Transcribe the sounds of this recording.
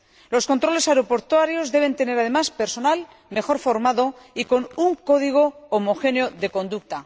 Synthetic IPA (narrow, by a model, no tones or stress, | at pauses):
lo̞sko̞nt̪ɾo̞le̞saeɾopo̞ɾt̪waɾjo̞zðe̞β̞e̞nt̪e̞ne̞ɾaðe̞maspe̞ɾso̞nal | me̞xo̞ɾfo̞ɾmaðo̞iko̞nuŋko̞ðiɣ̞o̞ːmo̞xe̞njo̞ðe̞ko̞nd̪uk̚t̪a